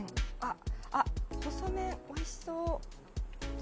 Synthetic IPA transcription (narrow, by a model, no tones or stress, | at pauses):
aahosomẽoiɕi̥soː